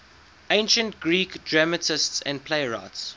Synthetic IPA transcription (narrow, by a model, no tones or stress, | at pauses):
ẽɪ̃nʃə̃ntɡ̥ɹiːkdɹamətɪstsæ̰̃nd̚pʰleɪɹa̰ɪts